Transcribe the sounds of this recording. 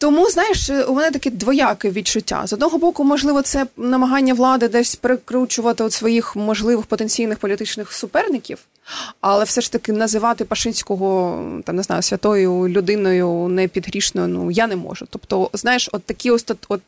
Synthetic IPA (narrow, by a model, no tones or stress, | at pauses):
t̪ɔmuznɑjɪʃumɛnɛt̪ɐkɛd̪ʋɔjɑkɪʋʲit͡ʃʊtʲːa̰zɔd̪nɔɦɔbɔkʊmɔʒlˠɪʋɔt̪sɛnɐmɐɦɑnʲːɐʋlˠɑd̪ɪd̪ɛsʲpɾɪkɾut͡ʃʊʋɐt̪ɪɔt̪sʋɔjixmɔʒlˠɪʋɪxpɔt̪enʲt͡sʲijnɪxpɔlʲit̪ɪt͡ʃnɪxsʊpɛrnɪkʲiw | ɐlˠɛwfsɛʂt̪ɐkɪnɐzɪʋɑt̪ɪpɐʃɪnʲsʲkɔɦɔt̪ɑmnɪznɑ̰jʊsʲʋʲɐt̪ɔjʊlʲʊd̪ɪnɔjʊnɛpʲid̪ɦɾʲiʃnɔjʊnṵjanɛmɔ̰ʒʊt̪ɔpt̪ɔznɑjɪʃɔt̪ːɐkʲiɔsʲt̪ɔt̪ɔt̪̚